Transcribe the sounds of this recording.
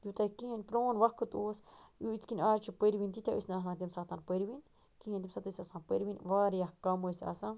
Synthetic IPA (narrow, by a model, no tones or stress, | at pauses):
jut̪aikihenpɾonβakɨt̪uasut͡skinat͡ʃipeɾbint̪it̪ʲaʔḭsnas̬ãt̪imsat̪anpeɾβin | kihẽnt̪imsat̪isasãpeɾbinβaɾjahkamsʔa̰sã